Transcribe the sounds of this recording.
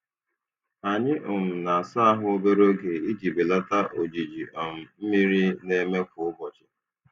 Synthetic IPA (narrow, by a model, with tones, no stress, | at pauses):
a˨ɲɪ˦ʔʊ˨m̩˨na˨a˨sa˦a˦ɦʊ˦o˦be˦ɾo˦ɡe˨i˦ɡi˨be˨la˦ta˦ʔo˨d͡ʒi˨d͡ʒi˨ʔɔ˨m̩˨m̩˦mi˦ɾi˦ne˦me˦kʊ˨ʊ˦bɔ˨t͡ʃɪ˨